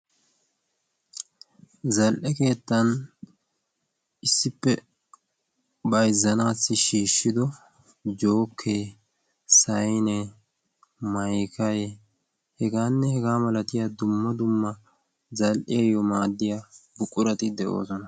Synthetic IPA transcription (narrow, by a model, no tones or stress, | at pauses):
zɐlʔɛke̞ːt̪ːɐn | ɪsːɪpːɛ | bɐjzːɐnaːsːɪʃiːʃːɪd̪ɔ | d͡ʒo̞ːkʰːeː | sɐjnɛ | mɐjkɐje | hɛɡaːnːɛhɛɡaːmɐlɐt̪ɪjaːd̪ʊmːɐd̪ʊmːɐ | zɐlʔɪjɐjɔmaːd̪ːɪjaːbʊkʼːʊɾɐt̪ɪd̪ɛʔo̰ːsɔnɐ